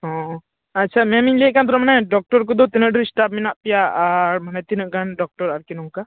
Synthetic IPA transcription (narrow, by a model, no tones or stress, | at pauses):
ɦɔ̃ | at͡ʃʰamɛmiɲliʔkant̪ɔɾɔmanaɖɔk̚ʈɔɾkɔd̪ɔt̪inəʔɖəsʈap̚minaʔpɛjaːɾmanat̪inəʔɡanɖɔk̚ʈɔɾaɾkɛnɔŋka